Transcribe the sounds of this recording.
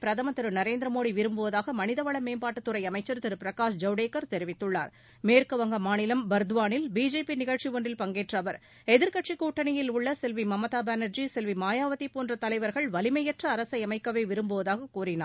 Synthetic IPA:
pɪɾɐðɐmɐt̪ɪɾɯnɐɾeːnd̪ɾɐmoːɽiʋɪɾɯmbɯʋɐðaːɣɐmɐnɪðɐʋɐɭɐmeːmbaːʈːɯt̪ːɯɾɐɪɐmɐɪt͡ʃːɐɾt̪ɪɾɯpɪɾɐkaːʂd͡ʒɐʊɽeːkːɐɾt̪ɛɾɪʋɪt̪ːɯɭːa̰ːɾ | meːɾkɯʋɐŋɡɐmaːnɪlɐmbɐɾd̪ɯʋaːnɪlbiːd͡ʒeːpinɪɣɐɻt͡ʃiʋoɳɖɪlpɐŋɡeːʈrɐʋɐɾ | ɛðɪɾkɐʈt͡ʃikːuːʈːɐnɪjɪlʊɭːɐsɛlʋimɐmɐt̪aːbaːnɐɾd͡ʒisɛlʋimaːjaːʋɐt̪ːipoːndrɐt̪ɐlɐɪʋɐɾɣɐɭʋɐlɪmɐjɛʈrɐːɾɐsɐɪɐmɐɪkːɐʋeːʋɪɾɯmbɯʋɐðaːɣɐkuːrɪna̰ː

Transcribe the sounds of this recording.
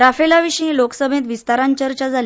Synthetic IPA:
ɾafelaʋiɕĩloksəbʱẽt̪ʋist̪aɾãɲt͡ɕəɾt͡ɕad͡zʱal

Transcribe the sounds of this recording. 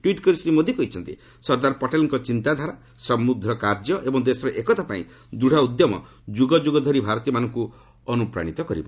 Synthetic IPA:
ʈwiʈkɔɾisɾimod̪ʱjikɔɦit͡ʃʰɔnt̪ḭ | sɔɾd̪aɾɔpɔʈelɔŋkɔt͡ʃint̪ad̪ʱaɾa | sɔmud̪ʱːɾɔkaɾd͡ʒjɔʔebɔŋd̪esɔɾɔʔekɔt̪apa̰ḭ̃ | d̪uɽ̤aud̪jɔmɔ̰ | d͡ʒuɡɔd͡ʒuɡɔd̪ʱɔɾibʱaɾɔt̪ijɔmanɔŋku | ɔnupɾa̰ɽ̃it̪ɔkɔɾḭbɔ

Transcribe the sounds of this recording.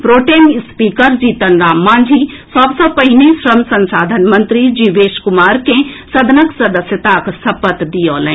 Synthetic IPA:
pɾoːʈeːnspiːkəɾd͡ʒiːt̪ənɾaːmːãːnd͡ʒʱi | sɔbsəpɐɦɪnisɾɐmsɐ̃nsaːd̪ʱənmɐ̃nt̪ɾid͡ʒiːʋeːʃkʊmaːɾkẽsɐd̪ʱənəksɐd̪əsjət̪aksɐpət̪d̪ioːlẽ

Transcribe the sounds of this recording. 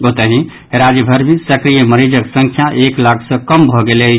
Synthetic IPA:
ɡot̪əɦĩ | eɾad͡ʒəbʱəɾmesəkɾijəməɾid͡ʒəksə̃ŋkʰjaʔeklakʰsə̃kəmbʱɔɡele

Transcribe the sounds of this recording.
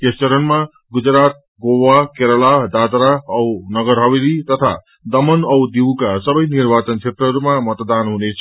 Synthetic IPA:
kest͡ʃʌɾʌnma | ɡud͡zɾat̪̚ | ɡowakeɾʌlad̪at̪ɾaʌwnʌɡʌɾɦʌwelit̪ʌt̪ʰa | d̪ʌmʌnʌwd̪iwkasʌbʌjniɾbat͡sʌnkʰet̪ɾʌɦʌɾumamʌt̪d̪anɦunet͡sʰʌ

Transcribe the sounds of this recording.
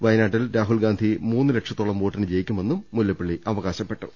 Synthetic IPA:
ʋɐjnaːʈːilɾaːɦulɡaːnd̪ʱimuːnːɨlekʂɐt̪ːoːɭɐmʋoːʈːɐnɨd͡ʑe̞jikʲːume̞nːumːuljɐpːiɭːiʔɐʋɐɣaːɕɐpːe̞ʈːu

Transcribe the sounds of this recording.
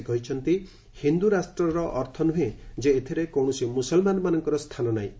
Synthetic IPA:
ɡɔɦit͡ʃʰɔnt̪i | hind̪uɾasʈɾɔɾɔʔɔɾt̪ʰɔnuɦẽd͡ʒeːt̪ʰiɾekɔwɳɔsimusɔlmanɔmanɔŋkɔɾɔst̪ʰanɔnaĩ

